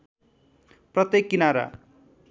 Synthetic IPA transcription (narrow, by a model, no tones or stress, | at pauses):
prʌt̪ekːinaɾa̰